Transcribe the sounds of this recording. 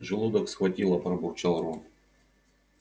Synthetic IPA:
ʐɨlˠud̪ɐksxvɐtʲilˠɐpɾɐbʊrt͡ʃalˠɾun

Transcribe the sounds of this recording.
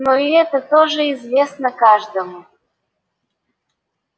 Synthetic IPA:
noiɛt̪ət̪oʒəizvʲesnəkaʐd̪əmu

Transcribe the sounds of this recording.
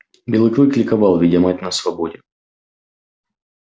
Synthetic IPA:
bʲɪlˠɨkɾɨklʲɪkɐvɑlˠvʲɪdʲamatʲnəsvɐbodʲɪ

